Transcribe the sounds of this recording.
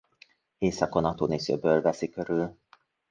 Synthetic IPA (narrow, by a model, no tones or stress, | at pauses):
eːsɒkonɒt̪oːneːsø̰bølvɛsikøɾyl